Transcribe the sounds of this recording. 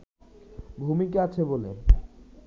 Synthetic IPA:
bʱumikeat͡ɕʰebole

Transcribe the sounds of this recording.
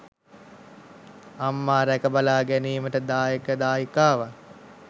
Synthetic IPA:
amːaːɾækəbalaːɡæniːməʈəd̪aːjekəd̪aːjikaːʋa

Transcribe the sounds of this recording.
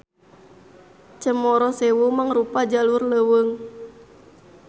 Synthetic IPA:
t͡ʃəmɔɾɔsɛwumaŋrupad͡ʒalurləwəŋ

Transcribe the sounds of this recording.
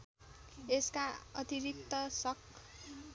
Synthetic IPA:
eskaʌt̪iɾik̚t̪ʌsʌk

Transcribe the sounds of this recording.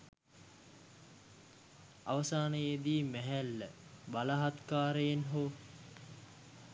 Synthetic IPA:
aʋəsaːnəjed̪iːmæɦælːəbalaɦat̪kaːɾəjenɦoː

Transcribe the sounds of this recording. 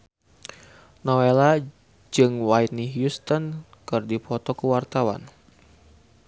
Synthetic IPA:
nɔwela | d͡ʒɨŋwajt̪̚niɦjust̪ɔn | kɨrdipɔt̪ɔkəwart̪awa̰n

